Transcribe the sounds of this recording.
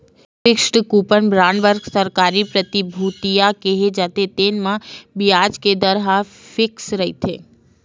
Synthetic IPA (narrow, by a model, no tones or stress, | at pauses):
fɪksʈəkupənbɾaɳʋəɾɡsəɾkaɾipɾət̪ibʱut̪ijakeɦed͡ʒat̪et̪enmãbijad͡ʒked̪əɾɦa | fɪksɾəɦit̪ʰe